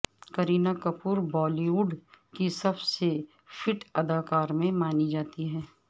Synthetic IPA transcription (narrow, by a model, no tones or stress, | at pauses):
kɐɾiːnakɐpuːɾbɔːliʋuːɖkisɐbse | fɪʈɐd̪aːkaːɾmẽmaːnid͡ʒaːt̪iɦɛː